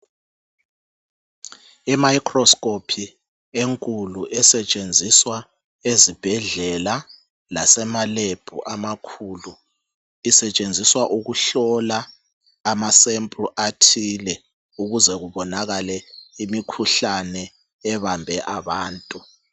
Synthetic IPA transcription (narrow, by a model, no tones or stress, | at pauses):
ɛmaikʰʼrɔskʼopʰi | eŋkʼuluʔɛsɛt͡ʃʼend͡zʱiswa | ezib̥ʱɛɮɛla | lasɛmaleb̥ʱṵʔamakʰuːlu | isɛt͡ʃʼend͡zʱiswaʔuɣuɬɔlaː | masɛmpʼrʔatʰilɛ | uɣuzɛɣuβɔnaɣalɛimikʰuɬanɛː | βambʱɛʔaβaːntʼu